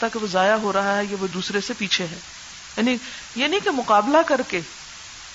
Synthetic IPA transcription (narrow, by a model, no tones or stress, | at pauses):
t̪akeʋozaːjaɦoɾɐɦaɦɛjeʋod̪uːsɾesepiːt͡ʃʰeɦɛ̃ː | jaːni | jenĩkemʊqaːblakɐɾkeː